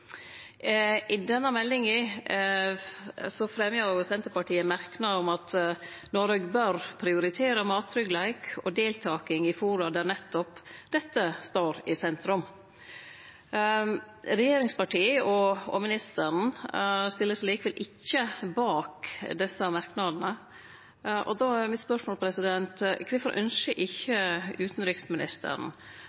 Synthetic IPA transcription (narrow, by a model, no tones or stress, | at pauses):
ʔɪd̪ɛnːəmɛlːɪŋɪ | sɔfɾɛmjəʊsɛnt̪əpɑʈiːəmæɾknɑɔmɑt̪ | nɔɾəɡbøɾpʰɾɪʊɾɪt̪ʰeːɾəmɑːt̪ɾʏɡlæɪkɔd̪eːlt̪ʰɑːkɪŋɪfuːɾɑd̪æːnɛt̪ːɔpd̪̥ɛt̪ːəst̪oːɾɪsɛnt̪ɾʉm | ɾɛjeːɾɪŋspɑʈiːɔɔ̰mɪnɪst̪əɾn̩st̪ɪlːəsliːkəʋɛlʔɪçːəbɑːkd̪ɛsəmɑɾknɑd̪n̩ə | ʔɔ̰d̪oæmɪt̪spœʂmoːlpʰɾɛsɪd̪ɛnt̪kʰʋɪfɔɾʔœnsəʔɪçːəʉːt̪n̩ɾɪksmɪnɪst̪ə̰ɾn̩